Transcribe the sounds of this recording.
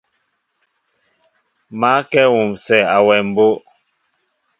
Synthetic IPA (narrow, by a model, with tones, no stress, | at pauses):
ma˨˦kɛ˦wu˨msɛ˦˨a˨wɛ˨m̩˨bo˦ʔ